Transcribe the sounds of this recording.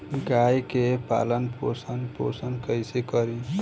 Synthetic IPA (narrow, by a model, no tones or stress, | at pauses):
ɡajkepa̰lənposənpo̰sənkəjsekəɾĩ